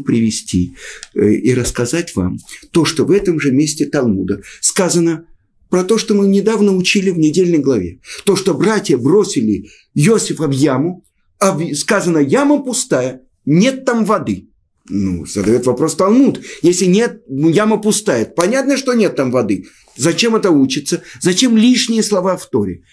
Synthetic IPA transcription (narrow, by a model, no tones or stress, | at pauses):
pɾʲɪvʲɪsʲtʲḭ | iɾəskɐzatʲva̰mt̪o̞ʂt̪ovɛt̪əmʐɨmʲesʲtʲɪt̪ɐlˠmud̪əskazənə | pɾɐt̪o̞ʂt̪o̞mɨnʲɪd̪avnəʊt͡ɕilʲɪvnʲɪdʲelʲnəjɡlˠɐvʲe̞t̪o̞ʂt̪o̞bɾatʲjəbɾo̞sʲɪlʲɪ | josʲɪfɐvjamʊ | ɐvskazənəjaməpʊst̪ajə | nʲe̞t̪ːamvɐd̪ɨ | nṵzəd̪ɐjo̞t̪vɐpɾo̞st̪ɐlˠmut̪jesʲlʲɪnʲe̞t̪̚jaməpʊst̪ajət̪pɐnʲat̪nəʂt̪o̞nʲe̞t̪ːamvɐd̪ɨ | zɐt͡ɕe̞mɛt̪əut͡ɕɪt̪səzɐt͡ɕe̞mlʲiʂnʲɪjəslˠɐvaft̪o̞ɾʲɪ̰